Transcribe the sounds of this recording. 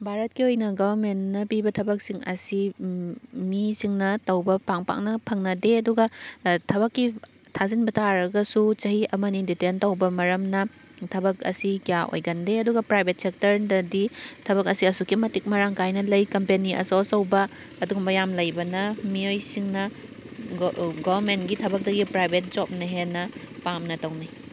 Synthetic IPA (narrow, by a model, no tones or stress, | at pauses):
bʱaɾɐt̚kiojnɐɡɐbɐɾmennɐpibɐtʰɐbɐk̚siŋɐ̰si | misiŋnɐtɐwbɐpaŋpa̰ŋnɐpʰɐŋnɐdeɐduɡɐtʰɐβɐkːi | tʰazinbɐtʰaɾɐɡɐsut͡ʃɐɦiɐmɐniditentɐwbɐmɐɾɐmnɐ | tʰɐbɐkɐ̰sikijaʔo̰jɡɐndeɐduɡɐpɾajbʱet̚sek̚tɐɾdɐditʰɐβɐkɐsiɐsukimɐtik̚mɐɾaŋkajnɐlɐjkɐmpeniʔɐ̰sosɐwbɐː | duɡumbɐjamlɐjbɐnɐmiojsiŋnɐ | ɡobɐɾmentɡitʰɐbɐk̚dɐɡipɾajbʱet̚d͡ʒop̚nɐɦenːɐpamnɐtɐwna